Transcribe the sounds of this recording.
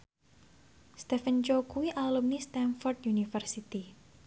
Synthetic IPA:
st̪ɛfənt͡ʃokuwiʔalumnist̪ɛnfɔrt̪junifərsit̪i

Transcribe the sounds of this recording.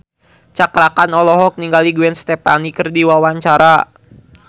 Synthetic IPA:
t͡ʃakɾakanɔlɔɦɔk̚niŋɡaliɡuɛnst̪ɛpanikɨrdiwawaɲt͡ʃaɾa

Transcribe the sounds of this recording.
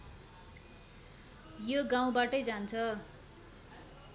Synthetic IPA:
joɡaw̃baʈʌjd͡zant͡sʰʌ

